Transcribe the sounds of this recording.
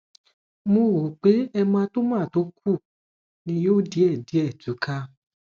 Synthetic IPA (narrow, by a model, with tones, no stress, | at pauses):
mõ˧˨wo˨k͡pe˨˦ɛ˧mã˧to˦mã˦˨to˨˦kʰu˦˨ | nĩ˧joː˦˨di˨˦ɛ˦˨di˨˦ɛ˦˨tu˨˦kʰa˧